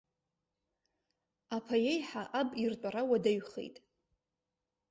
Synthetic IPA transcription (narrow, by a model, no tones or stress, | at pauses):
apʰajejħaʔabʼirtʷʼaɾawadaɥχḛjtʼ